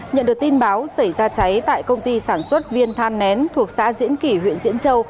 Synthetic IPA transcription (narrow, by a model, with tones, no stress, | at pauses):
ɲə̰˧˨nɗɨ˨˩ək̚t̪i˧nɓaː˨˦wsa˧˩jzaː˧t͡ɕa˨˦jt̪a̰ː˧˨jkə˧wŋ͡mt̪i˧saː˧˩nswə˦˥t̚vi˧ənt̪ʰaː˧nːɛ˨˦nt̪ʰu˨˩ək̚sa̰ː˧˥zḭ˧˥ənki˧˩ɦwḭ˧˨ənzḭ˧˥ənt͡ɕə˧w